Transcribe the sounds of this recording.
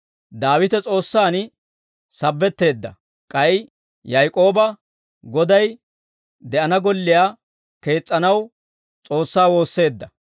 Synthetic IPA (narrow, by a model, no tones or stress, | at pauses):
d̪aːwɪt̪ɛt͡sʼo̞ːsːaːn | sɐbːɛt̪ːe̞ːd̪ːɐ̰ | kʼɐj | jɐjkʼo̞ːbɐ | ɡɔd̪ɐj | d̪ɛʔɐnɐɡɔlːɪjaː | ke̞ːt͡sʼːɐnɐw | t͡sʼo̞ːsːaːwo̞ːsːe̞ːd̪ːɐ